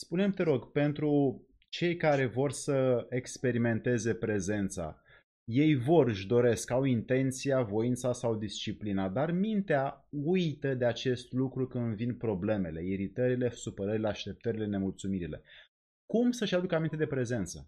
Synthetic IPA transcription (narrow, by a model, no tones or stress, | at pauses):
spune̞mt̪e̞ɾo̞ɡpe̞nt̪ɾu | t͡ʃe̞jkaɾe̞vo̞rsəekspe̞ɾime̞nt̪e̞ze̞pɾe̞ze̞nt̪sa̰ | je̞jvo̞rɨʃd̪o̞ɾe̞skawint̪e̞nt̪sijavo̞int̪sasawd̪ist͡ʃiplinad̪armint̪eaujt̪əd̪eat͡ʃe̞st̪lukɾukɨnvinpɾo̞ble̞me̞le̞iɾit̪əɾile̞supəɾəɾile̞aʃt̪e̞p̚t̪əɾile̞ne̞mult̪sumiɾile̞̰ | kumsəʃad̪ukəamint̪ed̪e̞pɾe̞ze̞nt̪sə